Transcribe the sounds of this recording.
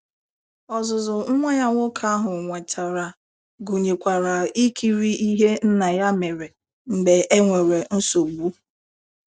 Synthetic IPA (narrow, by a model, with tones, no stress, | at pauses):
ɔ˨zʊ˨zʊ˨ŋ̩˦ŋʷa˦ɲa˦ŋʷʊ˦kʰa˦a˦ɦʊ˨ŋʷe˨ta˨ɾa˨ | ɡo˨ɲe˨kʷa˨ɾa˨i˦kʰi˦ɾi˦i˦ɦe˦n̩˦na˨ja˦me˨ɾe˨ | ŋ͡m̩˨ɡ͡be˨e˦ŋʷe˨ɾe˨n̩˦so˨ɡ͡bu˦